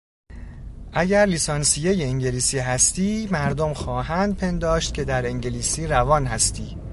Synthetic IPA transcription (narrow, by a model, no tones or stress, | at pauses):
ʔæɟæɾlisɒnsijeje̞iŋɟe̞liːsiːɦæst̪iːmæɾd̪omxɒːɦænd̪̚pʰe̞nd̪ɒːʃt̪̚kcʰe̞d̪æɾeŋɟe̞liːsiːɾævɒːnɦæst̪iː